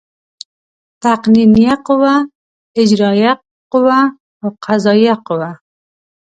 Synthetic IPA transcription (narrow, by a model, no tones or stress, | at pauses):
t̪aqninijaqʊwa | ɪd͡ʒɾɑja | qʊwa | oqʰazɑjaqʊwa